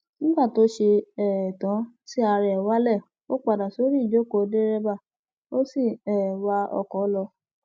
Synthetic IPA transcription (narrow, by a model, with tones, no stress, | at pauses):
nĩ˦ɡ͡ba˦˨to˦ʃe˧ɛ˨tã˨˦si˦a˧ɾɛ˧ɛ˨wa˦lɛ˦˨ | o˦k͡pa˨da˨so˨˦ɾi˦i˦˨d͡ʒo˦˨ko˧˦de˦ɾɛ˦ba˦˨ | o˦si˦˨ɛ˨wa˧ɔ̰˧kɔ˨˦lɔ˧